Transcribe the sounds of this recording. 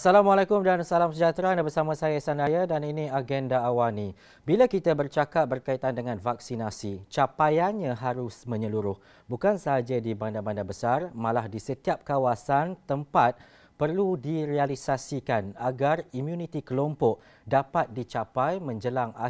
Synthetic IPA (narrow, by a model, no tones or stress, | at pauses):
asalamwalakʊmdansalamsəd͡ʒat̪ɾanabərsamãsajaisanajadaninĩaɡɛndaːwanĩ | bilakit̪abərt͡ʃakat̪̚bərkait̪andəŋãnvak̚sinasit͡ʃapajanɲãɦaɾʊsmə̃ɲəluɾʊh | bukansaɦad͡ʒadibandabandabəsarmãlahdisət̪iap̚kawasant̪əmpat̪̚ | pərludiɾealisasikanaɡarimjunit̪ikəlompɔʔ | dapat̪̚dit͡ʃapajmə̃ɲd͡ʒəlaŋa